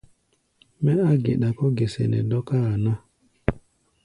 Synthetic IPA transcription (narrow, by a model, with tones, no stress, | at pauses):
mɛ˦a˦ɡḛ˨ɗa˨kɔ˦ɡe˨sḛ˨nɛ̰˨dɔ˦ka˦a˨na˦